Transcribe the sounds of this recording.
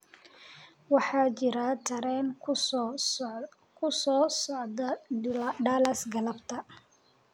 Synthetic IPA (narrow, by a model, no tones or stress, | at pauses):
wɑħɑːt͡ʃɪɾɐt̪ʰɐɾɛːn | kʰʊsɔːsɔʕdɐ | ɖaːlɐsɡɐlɐbt̪ʰɐ